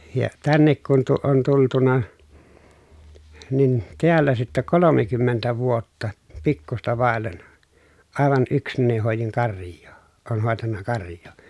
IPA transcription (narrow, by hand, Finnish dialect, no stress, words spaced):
jɑ tænːek kun tu on tultunɑ nin tiælːæ sitːæ kolomekymːentæ ʋuotːɑ pikːustɑ ʋɑˑelːen ɑˑeʋɑn ʔyksnæni hoˑejiŋ kɑrjˑoː oːn hoˑetɑnːɑ kɑrjˑoː